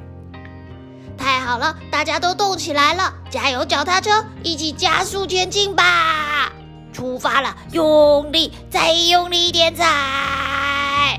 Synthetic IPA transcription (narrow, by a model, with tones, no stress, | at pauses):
t̪ʰa˥˩ɪxɑ˨˩ʊlə˦t̪a˥˩t͡ɕja˥t̪o˥ʊt̪ʊ˥˩ŋt͡ɕʰi˨˩la˧˥ɪlə˧ | t͡ɕja˧˥jo˧˥ʊt͡ɕjɑ˨˩ʊt̪ʰa˥ʈ͡ʂʰɤ˥ŋi˥˩t͡ɕʰi˨˩t͡ɕja̰˥su˥˧t͡ɕ̪ʰɥɛ˥nt͡ɕi˥˧ŋba˨ | ʈ͡ʂʰu˥fa˥lə˨jʊ˥˧ŋli˥˩ | t͡sa˥˧ɪ˧jʊ˥˧ŋli˥˧i˥˩t̪jɛ˨˧˥nt͡sʰa˨ | ɪ